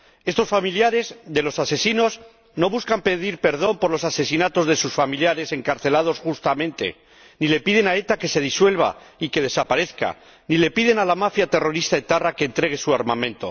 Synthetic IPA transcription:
e̞st̪o̞sfamiljaɾe̞zðe̞lo̞sase̞sino̞z | no̞βuskampe̞ðiɾpe̞ɾð̞o̞mpo̞ɾlosase̞sinat̪o̞zðe̞susfamiljaɾe̞se̞ŋkaɾθe̞lað̞o̞sxust̪amẽ̞nt̪e̞̰ | nile̞piðe̞nae̞t̪ake̞se̞ð̞iswe̞lβa̰ | ike̞ðe̞sapaɾe̞θka̰ | nile̞piðe̞nalamafjat̪e̞ro̞ɾist̪aet̪arake̞ːnt̪ɾeɣ̞e̞suaɾmamẽ̞nt̪o̞̰

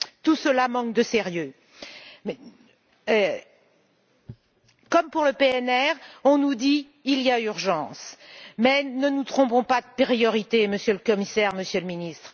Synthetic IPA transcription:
t̪usəlamɑ̃kd̪əsɛʁjø | kɔmpuʁləpeɛnɛʁɔ̃nud̪iː | lijayʁʒɑ̃ːsmɛnənut̪χɔ̃bɔ̃pad̪əpeʁijɔʁit̪eməsjøləkɔmisɛʁməsjøləminist̪χ

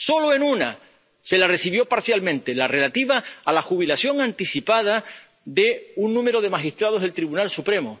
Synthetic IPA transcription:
so̞loe̞nuna | se̞lare̞siβ̞jo̞paɾsjalmẽnt̪e̞lare̞lat̪iβaːlaxuβ̞ilasjo̞ŋãnt̪isipað̞a | ðe̞unːũme̞ɾo̞ð̞e̞maxist̪ɾað̞oð̞elt̪ɾiβunalsupɾe̞mo

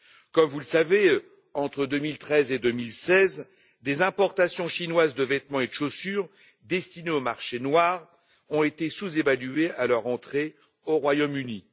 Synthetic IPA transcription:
kɔmvuləsave | ɑ̃t̪χəd̪ømilt̪χɛzed̪ømilsɛz | d̪ezɛ̃pɔʁt̪asjɔ̃ʃinwazd̪əvɛt̪mɑ̃ed̪əʃosyʁ | d̪ɛst̪ineomaʁʃenwaːʁ | ɔ̃et̪esuzevalyealœʁɑ̃t̪χe | oʁwajomyni

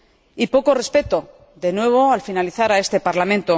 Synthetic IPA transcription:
ipo̞ko̞re̞spe̞t̪o̞ | ðe̞nwe̞β̞o̞alfinaliθaɾae̞st̪e̞paɾlamẽ̞nt̪o

